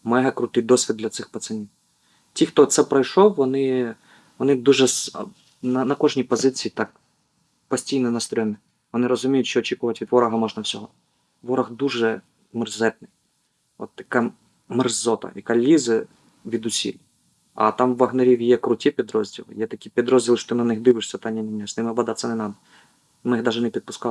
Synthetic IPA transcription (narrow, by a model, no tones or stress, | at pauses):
mɛɦɐkɾʊt̪ɪjd̪ɔsʲʋʲid̪̚lʲɐt̪sɪxpɐt̪sɪnʲiw | tʲixt̪ɔt̪sɛpɾɔjʃɔwːɔnɪ | ʋɔnɪd̪uʒɛs | nɐnɐkɔʒnʲipɔzɪt͡sʲijːt̪ɑk̚ | pɔsʲtʲijnɔnɐst̪ɾʲɔɔnɪ | ʋɔnɪɾɔzʊmʲijʊtʲt͡ʃɔːt͡ʃikʊʋɐtʲʋʲid̪ʋɔɾɐɦɐmɔʒnɐwsʲɔɦɔ | ʋɔɾɐɣd̪uʒɛ | mɪrzɛt̪̚nɪj | ɔ̰t̪ːɐka | mɪrzɔt̪ɐ̰jɐkalʲizɪ | ʋʲid̪ʊsʲḭlʲ | ɐ̰t̪ɑmʋːɐɣneɾʲiʋʲjɛkɾʊtʲipʲid̪ɾɔzʲdʲilˠɪ̰jɛt̪ɐkʲipʲid̪ɾɔzʲdʲilˠʃɔ̥t̪ɪnɐnɪxd̪ɪʋɪʂsʲɐt̪ɑnʲːɐnʲinʲːɛsnɪmbɐd̪ɑt̪sʲːɐnɛnɑd̪ɐ | mɪxd̪ɑʒɛnɛpʲid̪̚pʊskɑ